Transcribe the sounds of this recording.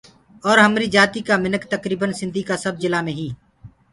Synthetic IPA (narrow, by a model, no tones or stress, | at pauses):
ɔːɾɦəmɾiːd͡ʒaːt̪iːkamɪnəkt̪əkɾiːbənsɪ̃nd̪ʱiːkasəb̚d͡ʒɪlaːmẽːɦĩː